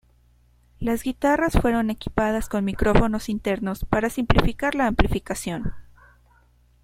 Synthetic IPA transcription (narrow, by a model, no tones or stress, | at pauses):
lazɣit̪arasfwe̞ɾo̞ne̞ki̥pað̞asko̞nmikɾo̞fo̞no̞sint̪e̞ɾno̞spaɾasimplifikaɾlaːmplifikasjo̞n